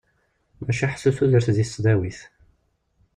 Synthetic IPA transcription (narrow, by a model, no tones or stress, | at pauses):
mæʃæħsːuθuðəɾθðisːðæwiθ